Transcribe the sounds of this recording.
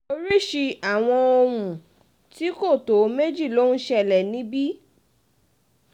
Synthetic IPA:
o˧ɾi˦ʃi˧a˨w̃ɔ̃˧o˧ɾũ˨ | ti˦ko˦˨to˨˦me˦d͡ʒi˦˨lo˦nũ˦ʃɛ˧˨lɛ˨nĩ˨˦bi˦

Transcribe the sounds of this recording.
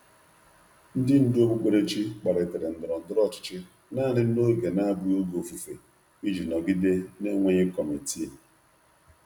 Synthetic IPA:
n̩˦dɪ˦n̩˦dɪ˦o˦bu˦k͡pe˨ɾe˦t͡ʃi˦k͡pa˨ɾɪ˨te˨ɾɪ˨n̩˨dʊ˨ɾɔ˨n̩˨dʊ˦ɾɔ˦t͡ʃɪ̥˨t͡ʃɪ˦ | naː˦˨nɪ˦n̩˦no˦i˨ɡe˨na˦a˦bi˦o˦ɡo˨fu˨fḛ˨ | i˦d͡ʒi˨nɔ˨ɡi˦de˦ne˦ŋʷe˦ɲe˦kɔ˨me˨ti˦e˨

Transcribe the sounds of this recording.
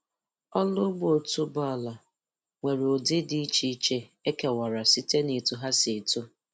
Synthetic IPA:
ɔ˦lʊ˦ɡ͡bo˨tu˦ba˦˨la˨ | ŋʷe˨ɾo˨dɪ˦di˦t͡ʃi˦t͡ʃe˦e˦ke˨wa˨ɾa˨si˦te˦ne˨tu˨ɦa˦se˨tu˦

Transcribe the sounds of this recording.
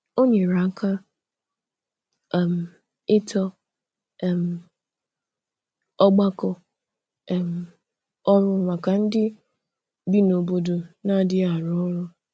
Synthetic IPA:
o˦ɲe˨ɾa˨˦kʰa˦ | ɛ˨m̩˨ | ɪ˦tʰɔ˦˨ | m̩˨ | ɔ˦ɡ͡ba˦kɔ˨ | m̩˨ | ɔ˦ɾʊ˦˨ŋʷa˨ka˨n̩˦dɪ˦ | bi˦no˨bo˦do˨na˦˨˦dɪ˦a˨ɾɔ˦ɾʊ˦

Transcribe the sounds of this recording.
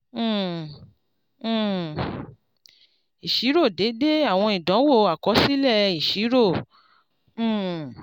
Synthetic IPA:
i˨ʃi˨˦ɾo˦˨de˨˦de˦a˦˨w̃ɔ̃˧i˨dɔ̃˨˦wo˦˨˧a˨kɔ˨˦si˦lɛ˦˧i˨ʃi˨˦ɾo˦˨

